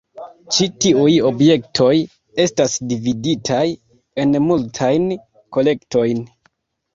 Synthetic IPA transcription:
t͡ʃitiujo̞bje̞k̚tʰo̞j | e̞stasdividitʰaj | e̞nmultʰajn | ko̞le̞kto̞jn

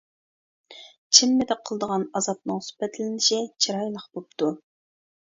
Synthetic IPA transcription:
t͡ʃʰɪmːɪd̪ɪqʰəlˠəd̪əʁɑnɑzɑp̚nɨŋsy̥pɛt̪lɪnɪʃit͡ʃʰiɾɑjlˠəχbop̚t̪ʰu

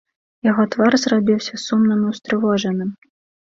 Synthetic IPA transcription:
jaɣɔt̪varzrabʲiwsʲɐsumnɐmɐwst̪ɾɨvɔʐɐnɨm

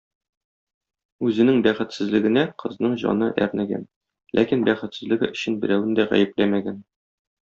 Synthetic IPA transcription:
ʉzɘ̆nɘŋbæχɘ̆t̪sɘ̆zlɘ̆ɡɘ̆næqʰɤ̆znɤɴʑɒ̰nɤʔæ̰ɾnæɡæ̰n | lʔækinbæχɘ̆t̪sɘ̆zlɘ̆ɡɘɵ̆ɕɘnbɘ̆ɾæwɘnd̪æʁæ̰jɘ̆plæmæɡæn

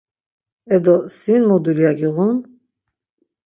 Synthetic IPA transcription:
ɛd̪ɔsinmɔd̪uljaɡiʁun

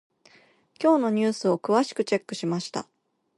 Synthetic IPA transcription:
kʲo̞ːno̞ɲ̟ɨːsɨo̞kɯ̟βaɕi̥kɯ̟t͡ɕe̞kːɯ̟ɕimaɕi̥t̪a̰

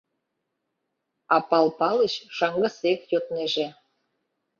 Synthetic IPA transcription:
ɑpɑlpɑləɕʃɑŋɡɤ̆sekjot̪neʒĕ

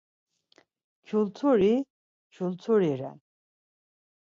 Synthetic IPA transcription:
kʰult͡s̪ʰuɾi | t͡ʃʰult͡sʰuɾiɾɛ̰n

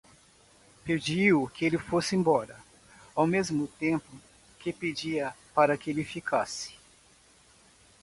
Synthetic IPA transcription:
ped͡ʒiʊkɪelɪfosɪẽmbɔɾɐ | awmezmʊt̪ẽmpʊ | kɪped͡ʒiɐpaɾɐkɪelɪfikʰasɪ̥

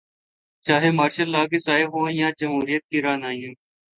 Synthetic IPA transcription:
t͡ʃaːɦeːmaːɾʃəlːaːɡeːsaːeɦõːjãːd͡ʒəmɦuːɾijət̪̚kiːɾaːnaːjĩː

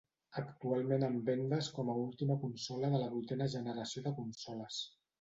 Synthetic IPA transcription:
əkt̪ualˠmenəmbɛnd̪əskɔməulˠt̪iməkunsɔləðələβujt̪ɛnəʒənəɾəsioðəkunsɔləs

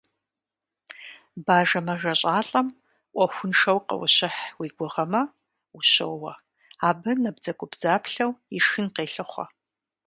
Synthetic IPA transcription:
baːʒɐmɐʒɐɕʼaːɬʼɐm | ʔʷʼɔxʷʊnʂɐwqɐ̰wɐ̰ɕɪħwiːɡʷɔʁɐmɐ | uɕo̰wwɐ | aːbɨnɐbzɐkʷʼʊbzaːpʰɬɐwiʂxɨnqeːɬɨχʷɐ̰

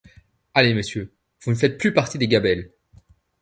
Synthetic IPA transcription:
aleməsjø | vunəfɛt̪̚plypaʁt̪id̪eɡabɛl

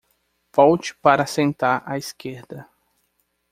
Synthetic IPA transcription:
vɔwt͡ʃɪ̥paɾɐasẽnt̪aɾaiskeɾd̪ɐ

